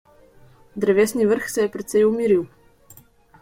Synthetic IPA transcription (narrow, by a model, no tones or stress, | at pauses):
d̪ɾɛvɛsnivəɾxsɛːpɾɛt̪sɛjʊmiɾilˠ